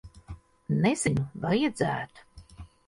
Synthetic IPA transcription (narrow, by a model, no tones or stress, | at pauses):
nez̥ʲɛnuvajad̪zæ̰ːt̪u̥